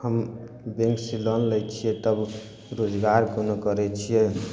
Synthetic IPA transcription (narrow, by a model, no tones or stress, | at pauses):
həm | bẽŋksilənlɛt͡ʃʰiɛt̪əb | ɾod͡ʒɡaɾkonokəɾɛt͡ʃʰijɛ